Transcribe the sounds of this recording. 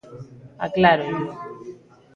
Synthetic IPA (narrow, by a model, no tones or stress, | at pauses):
a̰klaɾoju